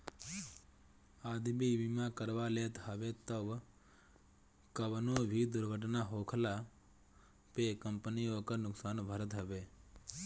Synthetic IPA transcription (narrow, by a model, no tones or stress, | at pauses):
aːd̪biʋimãkəɾʋaːleːt̪ɦəʋet̪əʋ | kəʋnoːbʱid̪ʊɾɡʱəʈ̬naɦoːkʰla | pekəmpənijoːkənʊksaːnbʱəɾət̪ɦəʋeː